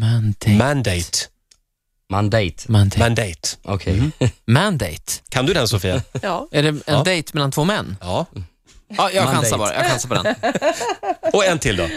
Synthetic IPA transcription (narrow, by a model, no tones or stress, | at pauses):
mand̪mand̪ɛj̪ | mand̪ɛjt̪mand̪ɛand̪ɛjt̪ɔkʰɛmænd̪ɛjt̪kʰand̪ɵd̪ɛnsɔfiːaæɖɛɛnd̪ɛjt̪mɛlant̪ʰvoːmɛnːɑː | ɑjɑɧansabɑːɾa̰jɑ̰ɡɧansaɾpɔd̪ɛ̰n | ɔɛnt̪ʰɪld̪ɔ